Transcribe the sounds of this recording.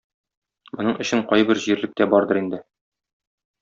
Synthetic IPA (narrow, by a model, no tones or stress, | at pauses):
mŏnɤɴʔɵ̆ɕɘɴqɒjbɘɾʑiɾlɘ̆k̚t̪æbɒɾd̪ɤɾind̪ɘ